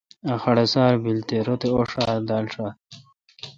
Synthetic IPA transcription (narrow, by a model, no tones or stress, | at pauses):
axɐɽesaːɾbilt̪eɾot̪eoʂaːɾd̪alʂa